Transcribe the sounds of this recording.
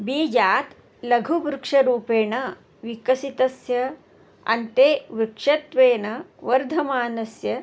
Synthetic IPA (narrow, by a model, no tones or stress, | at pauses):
biːd͡ʒaːt̪ | lɐɡʱubɾukʂɐɾuːpeːɳɐ | ʋikɐsit̪ɐsjɐ | ɐ̰nt̪eːʋɾukʂɐt̪ʋeːnɐʋɐɾd̪ʱɐmaːnɐsjɐ